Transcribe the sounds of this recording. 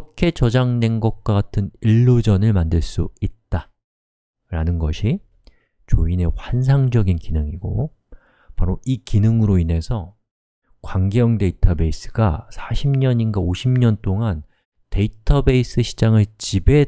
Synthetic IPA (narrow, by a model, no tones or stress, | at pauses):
ʌkʰe̞t͡ɕʌd͡ʑaŋde̞nɡʌk̚k͈ʌɡatʰɯniɭːod͡ʑʌnɯɭmandɯɭs͈uit̚t͈a | ɾanɯnɡʌɕʰi | t͡ɕoine̞ɸwans̬ʰaŋd͡ʑʌɡinkinɯŋiɡ̥o̰ | paɾoikinɯŋɯɾoine̞sʰʌ | kwaŋɡjʌŋde̞itʰabe̞is͈ɯ̥ɡasʰaɕʰimɲʌɲinɡaoɕʰimɲʌnt͈oŋan | te̞itʰʌbe̞is͈ɯɕʰid͡ʑaŋɯɭt͡ɕibe̞